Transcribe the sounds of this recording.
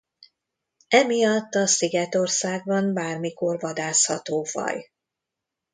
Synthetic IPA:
ɛmijɒt̪ːɒsiɡɛt̪o̞rsaːɡ̚bɒmbaːrmiko̞rvɒd̪aːshɒ̰t̪oːfɒ̰j

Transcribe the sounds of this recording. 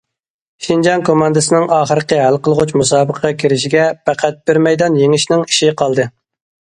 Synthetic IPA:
ʃind͡ʒɑnkʰomɑnd̪ɨsɨnɪŋʔɑːχəɾəqʲəɦælqəlˠʁut͡ʃmusɑːbəqʰəʁɑkʲʰiɾɪʃiɡʲɛpæqʰæt̪̚b̥ɪɾmɛjd̪ɑnjeŋɪʃnɪŋi̥ʃiqʰɑlˠd̪ɨ

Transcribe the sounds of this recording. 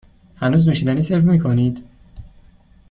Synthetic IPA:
hænuːznuːʃiːd̪æniːseɾvmiːkʰoniːd̪̥

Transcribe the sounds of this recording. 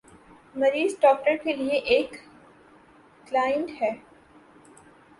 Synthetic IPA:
mɐɾiːzɖɔːk̚ʈəɾkelieʔeːk | laːjə̃ɳʈɦɛː

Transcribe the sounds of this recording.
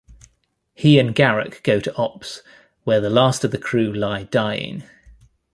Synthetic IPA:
hiə̃nɡaɹə̰kɡ̥əʊtʰəʔɒps | wəðəlɑˑstəvðəkʰɹ̥ʉːlaɪdaɪɪ̰̃ŋ

